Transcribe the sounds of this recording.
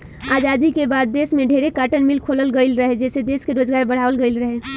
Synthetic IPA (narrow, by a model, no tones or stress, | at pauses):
aːd͡ʒaːd̪ikebaːd̪̚ːeːsmẽɖʱeɾekaːʈənmɪlkʰoːləlɡəɪlɾəɦed͡ʒɛːsed̪eːskeɾoːd͡ʒɡaːɾbəɽ̤aːʋəlɡəɪlɾəɦe